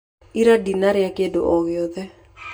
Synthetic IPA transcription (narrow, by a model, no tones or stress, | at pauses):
iɾadinaɾɪakedo̰ʔɔɣeɔðɛ